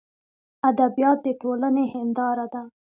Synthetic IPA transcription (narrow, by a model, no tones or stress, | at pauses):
ad̪abijɑt̪̚d̪əʈolanehɪnd̪ɑɾad̪a